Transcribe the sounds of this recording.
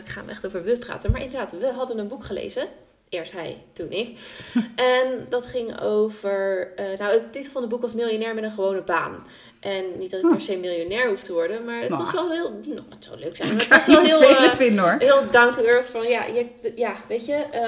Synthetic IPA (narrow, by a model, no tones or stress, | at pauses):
ɪkχa̰ːɛχtowvəɹʋəpra̰ːtənmaːɹʔɪ̰ndəɹdaːtʋəɦɑdənənbukχəlḛjzə | ɪːɹstɦɛ̰jtunʔɪkʔɛndɑtχɪŋo̰wvəɹənowətɪtəχfɑnədbukʋɑsmɪlˠjonɛːɹmɛtə̃nχəʋownəba̰ːn | ʔɛnːit̚dɑtɪkkpɛɹsejmɪlˠjonɛːɹɦuftəʋɔɹdənmaːɹətɑsʋɛlˠɦɪlˠnɔtso̰wløɥksɛ̰jmətɑsɛlˠɦɪːlˠɪnoɹɦɪːlˠdɑŋktuɛɹtfɔnja̰jəjaːʋejtə